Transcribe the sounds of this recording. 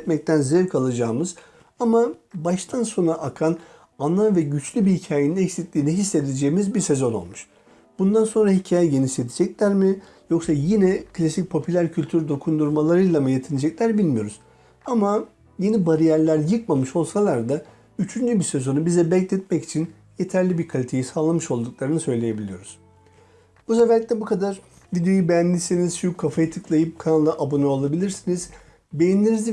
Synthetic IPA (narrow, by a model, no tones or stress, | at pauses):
t̪mɛc̚t̪ʰænzeiɾkʰalˠad͡ʒaːmɯz | amabaʃt̪ʰanso̞nɾaʔakʰan | anlˠamvɛɟyt͡ʃlʲybihicʰaːjeninɛcsit̪lʲiːnɛɦisːe̞d̪id͡ʒeːimizbiɾse̞zo̞no̞̰lˠmuʃ | bund̪anso̞nɾaɦicʰaːjɛɟe̞nised̪ʰid͡ʒɛclʲæɾmi | jo̞ksajinɛkʰlʲasic̚pʰo̞pʰylʲæɾcʰylʲt̪ʰyɾd̪o̞kʰund̪uɾmalˠaɾɯjlˠamɯjet̪ʰinid͡ʒɛclʲæɾbilʲmijo̞̰ɾuz̥ | ama | je̞nibaɾijæɾlʲæɾjɯk̚mamɯʃo̞lˠsalˠaɾd̪a | yt͡ʃʰynd͡ʒybisø̞zo̞nubizɛbɛclʲɛt̪̚mɛci̥t͡ʃʰin | je̞t̪ʰæɾlʲibiɾkʰalʲit̪ʰe̞jisaːlˠamɯʃo̞lˠd̪uk̚lˠaɾɯnɯsø̞jlʲe̞je̞bilʲijo̞̰ɾuz̥ | b̥us̬efɛɾlʲicʲtlʲɛbukʰad̪aɾ | vid̪ejo̞jubejænlʲisiniz̥ʃujukʰːafajit̪ʰɯklˠajɯp̚kʰanalˠːaʔabonoolˠabilʲiɾsiniz̥ | be̞jinlʲeɾizi